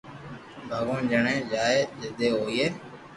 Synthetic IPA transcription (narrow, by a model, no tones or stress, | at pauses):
bʱaːɡõːd͡ʒəɳẽːd͡ʒaːeːd͡ʒeːd̪eːɦoːiːeː